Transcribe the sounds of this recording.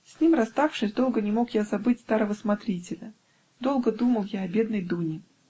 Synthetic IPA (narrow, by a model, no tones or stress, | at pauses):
sʲnʲimrɐst̪afʂɨsʲd̪o̞lˠɡənʲɪmo̞kjazɐbɨt̚ʲst̪aɾəvəsmɐt̪ɾʲitʲɪlʲə | d̪o̞lˠɡəd̪uməlˠjaɐbʲe̞d̪nəjd̪unʲɪ